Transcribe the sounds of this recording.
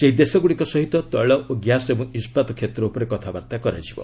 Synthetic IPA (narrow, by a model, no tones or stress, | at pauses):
seɦid̪esɔɡuɽikɔsɔɦit̪ɔt̪ɔɭɔʔoɡjasebɔŋispat̪ɔkʰet̪ɾɔupɔɾekɔt̪ʰaba̰ɾt̪akɔɾa̰d͡ʒʰibɔ̰